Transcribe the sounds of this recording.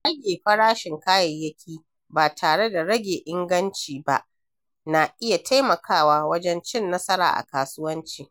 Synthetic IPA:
ɽɐ˦ɡʲeː˨ɸɐ˦ɽaː˦ʃɪ˨ŋkaː˦jɐ˨jjːɐ˦kʲʰiː˦ | baː˨tʰaː˨ɽe˦da˨ɽɐ˦ɡʲeː˨ʔɪ˦ŋɡɐ˦nt͡ʃiː˨ba̰˦ʔ | na˨ʔɪ˦ja˨tʰa˦jmɐ˨kʰaː˦waː˦wɐ˦d͡ʒɛ˦nt͡ʃɪ˦nːɐ˦sɐ˦ɾa̰ː˨ʔa̰˨kaː˦sʊ˦wɐ˦nt͡ʃiː˨

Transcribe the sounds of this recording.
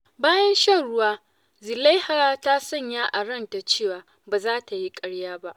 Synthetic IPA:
baː˦jɐ˦nʃɐ˦ɽʊ˦waː˦ | zɪ˨la˦jhaː˨ta˦sɔ˦˨ɲjaː˦ʔa˨ɽɐ˦˨nta˨t͡ʃeː˦˨waː˨ | baː˨zaː˦ta˨ji˦kʼɐ˦ɽjaː˦ba˦ʔ

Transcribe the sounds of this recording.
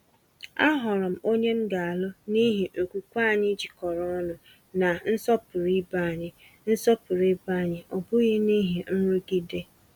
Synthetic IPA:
a˦ɦɔ˨ɾɔ˨m̩˨o˦ɲe˦ŋ̩˦ɡa˨a˨lʊ˦ni˦ɦi˨ʔo˨kʷu˨kʷa˦˨ɲɪ˦d͡ʒi˨kɔ˨ɾɔ˦nʊ˨ | na˨n̩˦sɔ˦pʊ˨ɾi˦ba˦˨ɲɪ˦ | n̩˦sɔ˦pʊ˨ɾi˦ba˦˨ɲɪ˦ʔɔ˨bʊ˦ɣi˦ni˦ɦi˨n̩˦ɾʊ˦ɡi˦de˦

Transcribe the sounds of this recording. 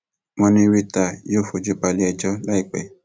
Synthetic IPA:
mwɔ̃˧nĩ˧ɾi˦ta˧˨joː˦˨fo˨d͡ʒu˦ba˧li˦ɛ˧d͡ʒɔ˦la˦i˦˧˨k͡pɛ̰˨

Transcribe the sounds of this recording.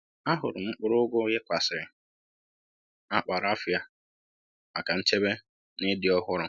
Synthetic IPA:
a˦ɦʊ˨ɾʊ˨m̩˦k͡pʊ˦ɾʊ˦ɡʷʊ˦je˦kʷa˨sɪ˨ɾɪ˨ | a˦k͡pa˨ɾa˦fɪ˦a˦ | a˨ka˨n̩˦t͡ʃe˦be˦ | nɪ˦dɪ˨ɔ˦ɦʊ˦ɾʊ˨

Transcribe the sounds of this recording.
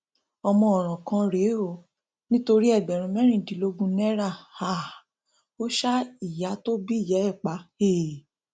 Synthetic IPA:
ɔ˧mɔ̃˧ɔ˨ɾ̃ɔ̃˨kã˧˦ɾe˨˦o˦˨ | nĩ˦to˧ɾi˦ɛ˦˨ɡ͡bɛ˨ɾ̃ũ˧˦mɛ̃˦ɾ̃ĩ˦˨dĩ˨˦lo˧ɡũ˧nɛ˦ɾa˦˨ha˨ | o˦ʃa˦i˦˨ja˨˦to˦bi˦i˦˨jɛ˨˦ɛ˦˨k͡pa˨˦he˦˨

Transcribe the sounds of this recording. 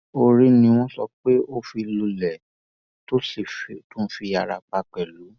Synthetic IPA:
o˧ɾi˧˦nĩ˧w̃ɔ̃˦sɔ˧k͡pe˦o˦fi˧lu˧lɛ˨ | to˦si˨tũ˦fi˧a˨ɾa˧k͡pa˧k͡pɛ˨lu˨˦

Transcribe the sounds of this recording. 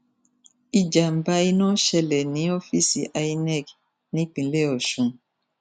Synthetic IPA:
i˨d͡ʒa˨m̩˨ba˧i˧nɔ̃˦ʃɛ˧lɛ˨nĩ˨˦ɔ˦fi˦sḭ˨ʔa˧i˦nɛ˦˨k | nĩ˦k͡pĩ˨˦le˦˨ɔ˨ʃũ˧

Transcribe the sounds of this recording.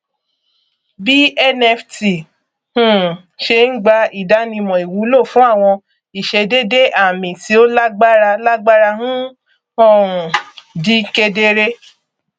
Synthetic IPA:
bi˦ʔɛ˦nɛ˧fti˨ | hũ˦˨ | ʃe˧n̩˦ɡ͡ba˧i˦˨da˨˦nĩ˧mɔ̃˨i˨wũ˨˦lo˦˨fũ˦a˦˨w̃ɔ̃˧ | i˨ʃe˧de˦de˦ʔa˦˨mĩ˨ti˨˦o˦la˦ɡ͡ba˦ɾa˧la˦ɡ͡ba˦ɾa˧hũ˦ | ɔ˦˨ɾũ˨di˦ke˧de˦ɾe˦

